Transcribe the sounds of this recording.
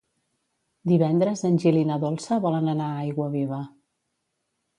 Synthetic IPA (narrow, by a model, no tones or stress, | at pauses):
d̪iβɛnd̪ɾəzənʲʒilinəðolˠsəβɔlənənaajɣwəβiβ̞ə